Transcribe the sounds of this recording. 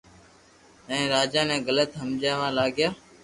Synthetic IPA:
ɛ̃ːɾaːd͡ʒaːnɛ̃ːɡələt̪ɦəmd͡ʒaːʋãːlaːɡjaː

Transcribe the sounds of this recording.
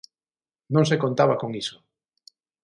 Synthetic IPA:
nõŋs̬ekont̪aβakoŋiso̥

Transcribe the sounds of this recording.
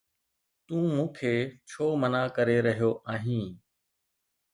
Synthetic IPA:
t̪ũːmũːkʰeːt͡ʃʰoːmənaːkəɾeːɾəɦijoːʔaːɦĩː

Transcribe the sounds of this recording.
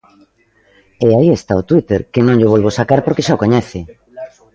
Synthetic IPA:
eaiest̪aot̪wit̪eɾkenõŋʎʊβ̞ɔlβ̞osakaɾpoɾkeʃaokoɲɛθɪ

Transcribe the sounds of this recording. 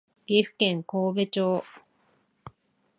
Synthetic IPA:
iɸkeŋkoβet͡ʃoː

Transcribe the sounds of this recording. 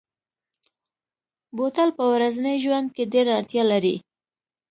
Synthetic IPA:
bot̪alpəwɾaznəjʒwand̪̚keɖeɾaaɾt̪jɑlaɾḭ

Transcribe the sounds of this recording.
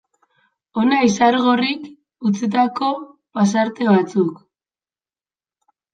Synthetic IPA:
o̞naisaɾɣo̞rik | ut͡sit̪ako̞ | pas̬aɾt̪e̞βat͡suk

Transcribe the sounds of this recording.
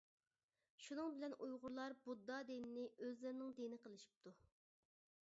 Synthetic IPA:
ʃunɨŋbɪlɛnujʁʊɾlˠɑɾbud̪ːɑd̪enɪnɪʔøzlɪɾnɪŋd̪enɪqəlˠɨʃi̥p̚t̪ʰu

